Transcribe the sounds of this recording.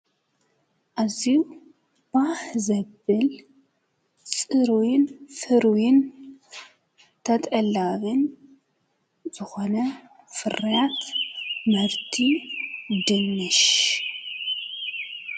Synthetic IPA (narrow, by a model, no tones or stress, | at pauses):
ʔaziu | b̥ahzɐbɨl | t͡sʼɨɾwɪnfɨɾwɪn | t̪ʰɐt̪ʼɐlːaβɨn | zɨxonɐ | fɨrɐjat̪mɐɾt̪ʰi | d̪ɨnːɨʃ